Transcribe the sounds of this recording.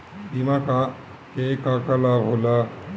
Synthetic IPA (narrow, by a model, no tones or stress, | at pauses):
imaka | kejkakalabʱɦola